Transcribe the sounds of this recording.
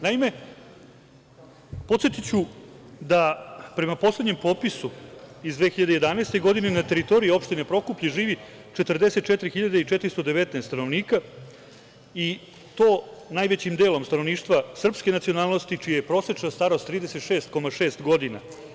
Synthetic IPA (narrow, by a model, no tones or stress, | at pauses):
naime̞ | po̞t̪sʲet̪it͡ɕud̪apɾe̞maposle̞d̪ɲe̞mpo̞ːpisuizd̪ʋe̞ːxiʎad̪eje̞d̪aneːst̪eɡo̞d̪ine̞nat̪e̞ɾit̪o̞ɾiio̞pʃt̪ine̞pɾo̞kupʎeʐiːʋi | t͡ʂet̪r̩d̪e̞se̞t̪̚t͡ʃet̪ɾixiʎad̪eit͡ʂɛt̪ɾist̪od̪eʋet̪neːst̪ano̞ʋniːka | i | t̪o̞ːnajʋet͡ɕimd̪e̞ːlo̞mst̪anoniːʃt̪ʋasr̩pske̞nat̪sio̞naːlˠnost̪it͡ʃijajepɾoset͡ʂnast̪aɾo̞st̪ːɾiːd̪ese̞t̪ʃe̞ːst̪ko̞maʂe̞ːst̪ɡo̞d̪ina̰